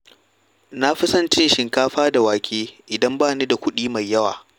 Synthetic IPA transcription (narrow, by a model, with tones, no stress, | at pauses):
na˦ɸɪ˦sɐ˦nt͡ʃɪ˦nʃɪ˨ŋkaː˦ɸaː˦da˨waː˨kʲeː˦ʔɪ˨dɐ˦mbaː˦˨niː˦da˨kʷʊ˦ɗiː˦ma˨jːɐ˦wa̰ː˨